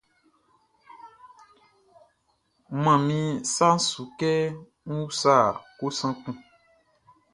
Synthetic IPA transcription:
mã˨mĩ˦sa˦n̩˦su˨kɛ˦ | ŋ̩˦wu˦sa˦˨ko˦sã˦k͡pũ˦

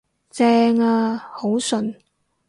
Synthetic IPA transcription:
t͡sɛː˧ŋaː˧ho˨˥wsɵ˨n

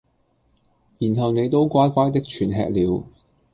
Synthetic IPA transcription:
jiː˨˩nɦɐ˨wne˨˧jt̪o˥wkʷaː˥jkʷaː˥jt̪̬ɪ˥k̚t͡ʃʰyː˨˩nɦɛ̰ː˧k̚liː˨˧w

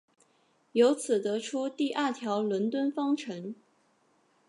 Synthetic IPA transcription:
jo˧˥ʊt͡sʰɹ̩˨˩t̪ɤ˧˥ʈ͡ʂʰu˥t̪i˥˧ʔa˥˩t̪ʰjɑ˧˥ʊlwə˧˥nt̪wə˥nfɑ˥ŋʈ͡ʂʰɤ˧˥ŋ

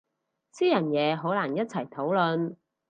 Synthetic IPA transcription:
siː˥jɐ˨˩njɛː˨˧ɦo˨˥wlaː˨˩njɐ˥t̚t͡sʰɐ˨˩jt̪ʰo˨˥wlɵ˨n

